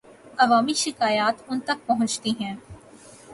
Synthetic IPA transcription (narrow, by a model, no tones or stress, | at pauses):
ɐʋaːmiʃɪkaːjaːt̪ʊnt̪ɐk̚pɐɦʊ̃nt͡ʃt̪iɦɛ̃ː